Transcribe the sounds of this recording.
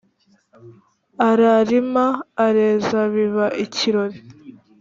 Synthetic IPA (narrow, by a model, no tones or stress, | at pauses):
aɾaɾimaːɾe̞ːzaβiβaʔiciɾo̞ɾi